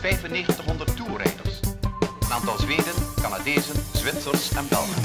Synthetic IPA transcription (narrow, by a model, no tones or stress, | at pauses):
vɛjfəneːχəntəχɦɔndərtːuːrɛ̰jdə̰ɹsənaːntɑlˠzʋeːdənkanadɛːzənzʋɪtsərsɛnbɛ̰lˠχən